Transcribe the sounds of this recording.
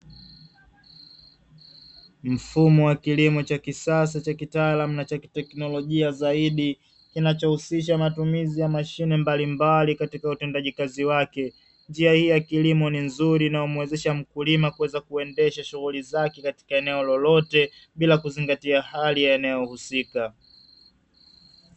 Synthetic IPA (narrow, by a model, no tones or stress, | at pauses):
m̩fumɔwakilimɔt͡ʃakisas̬at͡ʃakitaaːlamunat͡ʃakitɛknɔlɔʄiazaiɗi | kinat͡ʃɔhusiʃ̬amatumizijamaʃinɛmbalimbalikatikautɛndaʄikaziwakɛ | ɲd͡ʒiahijakilimɔninzuɾinaumwɛzɛʃam̩kulimakuwɛzakuɛndɛʃaʃuɣulizakɛkati̥kaɛnɛɔlɔlɔtɛɓilakuziŋɡatiahalijaɛnɛɔhusika